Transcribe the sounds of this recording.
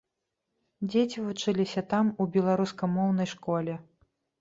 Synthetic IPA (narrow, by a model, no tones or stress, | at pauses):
d͡zʲet͡sʲivut͡ʂɨlʲisʲɐt̪amubʲɛlˠaɾuskɐmɔwnɐjʂkɔlʲɛ